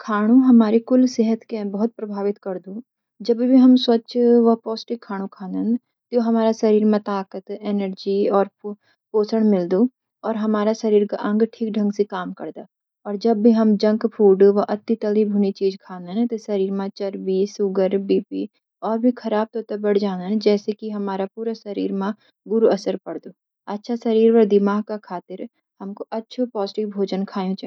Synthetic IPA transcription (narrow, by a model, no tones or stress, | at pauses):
kʰaːɽ̃uɦɐmaːɾekʊlseɦət̪kẽbɐɦʊt̪̚pɾɐbʱaːʋɪt̪kɐɾd̪ũː | d͡ʒɐbʱibʱiɦɐmswɐtːʃʋɐpɔːsʈɪkʰːaːɽ̃ũkʰaːnə̃nd̪ | t̪joɦɐmaːɾasɐɾiːɾmẽt̪aːkət̪eːnəɾd͡ʒiɔːɾ | poːsəɽ̃mɪld̪uː | ɔːɾɦɐmaːɾasɐɾiːɾka̰ʔɐ̃ŋɡʈʰiːk̚ɖʱɐ̃ŋɡsekaːmkɐɾd̪a̰ː | ɔːɾd͡ʒɐbːʱiɦɐmd͡ʒɐ̃ŋkpʰuːlɖoʋoʔɐt̪ːit̪ɐlibʱuːnit͡ʃiːd͡ʒkʰaːnd̪aɛ̃t̪osɐɾiːɾmãt͡ʃɐɾbisʊɡəɾbiːpi | ɔːɾbʱikʰɐɾaːb̚t̪oːt̪ɐbɐɽd͡ʒaːnanɛ̃d͡ʒɛːsekiɦɐmaːɾapuːɾasɐɾḭːɾmã | ɡʊɾuɐsəɾpɐɽd̪oː | ɐtːʃʰasɐɾiːɾʋɐɾd̪ɪmaːɦkakʰaːt̪ɪɾ | hɐmkoʔɐtːʃʰupɔːzɪʈɪʋbʱoːd͡ʒənkʰaːjũt͡ʃ